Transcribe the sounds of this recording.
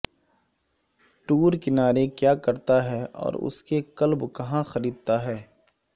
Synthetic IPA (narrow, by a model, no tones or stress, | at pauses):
ʈuːɾkɪnaːɾekjaːkɐɾt̪aɦɛːɔ̰ːɾʊ̰skekɐlbkɐɦãxɐɾiːd̪̚t̪aɦɛː